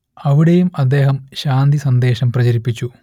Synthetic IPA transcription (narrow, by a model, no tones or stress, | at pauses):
ɐʋiɽejumɐd̪ːe̞ːɦɐmɕaːnd̪isɐnd̪e̞ːɕɐmprɐt͡ɕɐɾipːit͡ɕːu